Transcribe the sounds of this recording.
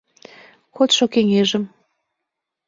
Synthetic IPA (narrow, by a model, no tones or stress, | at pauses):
kot̪ʃokeŋeʒə̆m